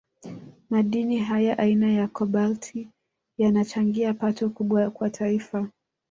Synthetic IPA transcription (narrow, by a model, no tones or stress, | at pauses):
maɗiniɦajaʔainajakʰɔɓaltʰi | janat͡ʃaŋɡiapatɔkuɓwakwatʰaifa